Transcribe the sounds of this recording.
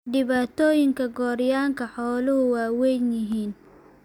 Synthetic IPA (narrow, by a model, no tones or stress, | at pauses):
ɖɪβaːt̪ʰɔːjɪŋkʰɐɡɔːɾjaːŋkʰɐħɔːlʊɦʊwɑːwɛjnjɪɦiːn